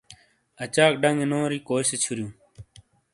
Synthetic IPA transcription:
ɐt͡ɕaːk̚ɖɐŋɡenoːɾiːkoːiset͡ɕʰuɾjũː

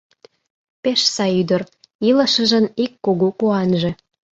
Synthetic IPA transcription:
peʃsɑjyd̪ər | ilə̆ʃə̆ʒə̆nikːoɣokuɑnʒe

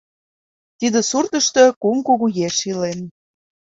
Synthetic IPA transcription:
t̪id̪ĕsurt̪ə̆ʃt̪ɤ̆kumkuɣujeʃilen

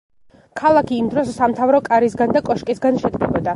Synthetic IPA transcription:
kʰalˠakʰiːmd̪ɾɔsːamt̪ʰavɾɔkʼaɾisɡand̪akʼɔʃkʼisɡanʃɛd̪ɡɛbɔd̪a

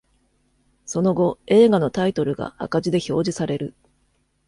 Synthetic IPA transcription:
so̞no̞ɡo̞e̞ːɡano̞t̪ait̪o̞ɾɯ̟ɡa̰a̰kaʑid̪e̞ço̞ːʑisaɾe̞ɾɯ̟

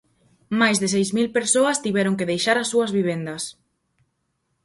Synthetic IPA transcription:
majzðɪsejzmilpeɾsoɐst̪iβɛɾoŋkeðejʃaɾɐsːuɐzβiβ̞end̪ɐs

